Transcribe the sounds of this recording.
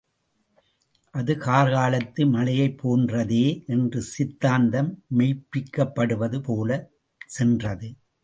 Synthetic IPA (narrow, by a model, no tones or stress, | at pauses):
ʔɐðɯkaːɾɣaːlɐt̪ːɯmɐlɐjɐɪpʰːoːndrɐðeːʔɛndrɯsɪt̪ːaːnd̪ɐmːɛɪpːɪkːɐpːɐɽɯʋɐðɯpoːlɐ | sɛndrɐðɯ